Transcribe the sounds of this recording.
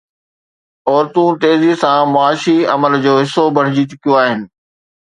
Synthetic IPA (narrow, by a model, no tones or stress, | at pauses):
ɔːɾt̪ũt̪eːzisãmʊaːʃiɐ̰məld͡ʑoːɦɪsobɐɽ̤ɪd͡ʑit͡ɕʊkijoaːɦɪnɪ̆